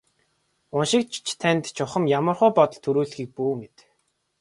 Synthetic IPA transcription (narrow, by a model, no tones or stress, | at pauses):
ʊnʃɪ̆k̚t͡ɕt͡ɕʰt̪ʰænt̪t͡ɕʰʊχə̆mjamə̆rχʊːpɔt̪ɞ̆ɮt̪ʰːuɾuːɮxiːk̚puːmet̪